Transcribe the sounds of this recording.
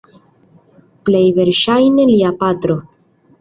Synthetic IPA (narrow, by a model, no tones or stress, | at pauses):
plejve̞ɾʃajneliapat̪ɾo